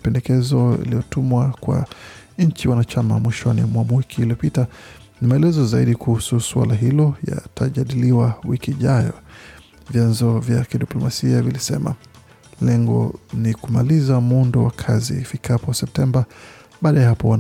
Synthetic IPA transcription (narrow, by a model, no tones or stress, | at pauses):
pɛndɛkɛzɔḭlijɔtumwakwa̰ | ɲ̩t͡ʃiwanat͡ʃamamwiʃwanimwamwikʰiːliɔpita | nimaɛlɛzɔzaiɗikuhususwa̰laɦilɔja̰tʰaʄaɗiliwawikiːʄajɔ | vjanzɔvjakiɗiplɔmasiavilisɛ̰ma̰ | lɛŋɡɔ̰nikumalizamundɔwakʰazḭːfikʰapɔsɛp̚tɛmba | ɓaːɗajahapɔwan